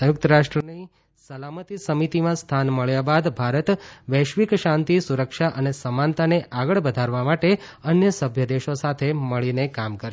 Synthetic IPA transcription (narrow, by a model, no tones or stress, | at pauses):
səjʊk̚t̪əɾaʃʈɾəni | səlamət̪isəmit̪imãst̪ʰanməɭjabad̪bʱaɾət̪ʋɛʃʋikʃãnt̪isuɾəkʃaʔənesəmant̪aneʔaɡəɭbəd̪ʱaɾʋamaʈe | ənjəsəbʱjəd̪eʃosat̪ʰeməɭinekamkəɾʃ